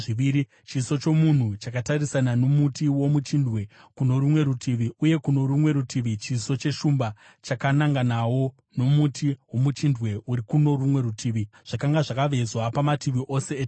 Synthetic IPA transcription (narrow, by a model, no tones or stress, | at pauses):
ʐiʋiɾi | t͡ʃiːso̞t͡ʃo̞mun̤ut͡ʃakatarisanano̞mutiwo̞mut͡ʃindʱwe̞kuno̞ɾumwe̞ɾutʰiʋiuje̞kuno̞ɾumwe̞ɾutʰiʋit͡ʃiːso̞t͡ʃe̞ʃumba | t͡ʃakanaŋɡanawo̞ | no̞mutiwo̞mut͡ʃindwe̞uɾikuno̞rumwe̞ɾutʰiːʋiʐ̥akaŋɡaʐakaʋe̞zwapamatiʋiʔo̞se̞ː